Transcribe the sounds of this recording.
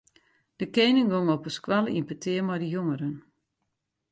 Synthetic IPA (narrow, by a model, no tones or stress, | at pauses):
d̥əkeːnɪŋɡoŋɔpəskwalˠəḭmpətʰɪəmɔjdəjoŋəɾən